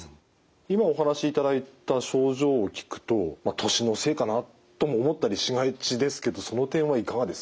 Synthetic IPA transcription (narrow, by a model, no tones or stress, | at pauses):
imao̞ɦanaɕiːt̪ad̪ait̪aɕo̞ːʑo̞ːkʲi̥kɯ̟̥t̪o̞mat̪ʰo̞ɕino̞se̞ːkana | t̪o̞moːmo̞t̪ːaɾʲiɕiŋait͡ɕid̪e̞sɨ̥ke̞d̪o̞so̞no̞t̪ẽ̞ɰ̃βaikaŋad̪e̞sɨ̥